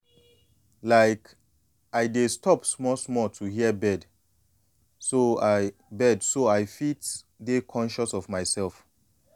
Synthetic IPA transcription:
laɪk | aɪdestʰɔpsmɔsmɔtʰuhiəbɛd | soaɪbɛdsoaɪfit | dekʰɔ̃nʃɔsɔvmaɪsɛlˠf

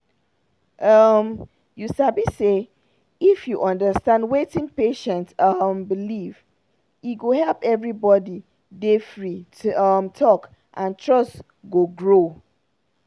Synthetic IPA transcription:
ʔʌm | jusabise | ifjuʔʌ̃ndəstãndwetĩŋpeʃɛ̃ntʌmbiliv | iɡohɛlˠpɛvɹibɔdi | defɹiʌmtʰɔk | ʔãntʰɹɔst | ɡoɡɹo

